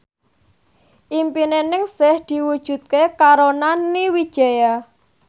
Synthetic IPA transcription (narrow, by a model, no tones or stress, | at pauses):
ʔimpinenɪŋsɪhd̪̥i̤wud̥ʒ̥ṳt̪̚kekaɾonaniwid̥ʒ̥a̤ja